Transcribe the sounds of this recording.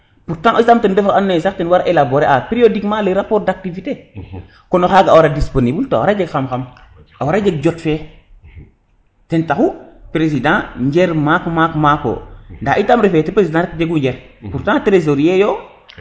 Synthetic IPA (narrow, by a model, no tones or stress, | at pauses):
puɾtãʔosisamtɛnbɛfakanːesaktɛnwaɾaʔelaboɾeʔapɾijodikmaleɾapoːɾdak̚tivite | konoxaːɡawaɾadisponibilta̰waɾad͡ʒeɡxamxam | awaɾad͡ʒeɡ̚d͡ʒɔtfɛ | tɛntaxupɾesidãɲɟɛɾmaːkmakmako̰ndaːʔitamɾefetepɾesidãɾɛkd͡ʒeɡuɲd͡ʒɛɾpuɾtãtɾez̬oɾjɛjo